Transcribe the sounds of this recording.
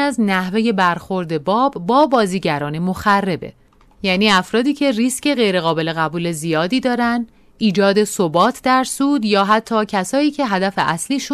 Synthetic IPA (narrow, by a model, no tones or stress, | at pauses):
æznæhve̞je̞bæɾxo̞ɾd̪e̞bɒːbːɒːbɒːziːɟæɾɒːne̞mo̞xærːe̞be̞̰ | jæːniːæfɾɒːd̪iːcʰe̞risce̞ɣe̞jɾe̞ɣɒːbe̞le̞ɣæbuːle̞zijɒːd̪iːd̪ɒːɾænd̪ | ʔiːd͡ʒɒːd̪e̞sobɒːt̪ʰd̪æɾsuːd̪jɒːɦæt̪ʰːɒːcʰæsɒːiːcʰe̞ɦæd̪æfe̞ʔæsliːʃu